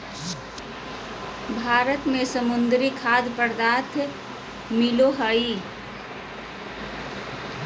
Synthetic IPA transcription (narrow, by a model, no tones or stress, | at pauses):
bʱaːɾət̪mẽsəmʊnd̪ɾikʰaːd̪pəɾd̪aːt̪ʰ | mɪloɦəi